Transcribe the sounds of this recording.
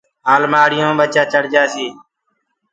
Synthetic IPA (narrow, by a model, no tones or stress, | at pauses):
ɦaːlmaːɽɪjõːɓət͡ʃaːt͡ʃəɽd͡ʒaːsiː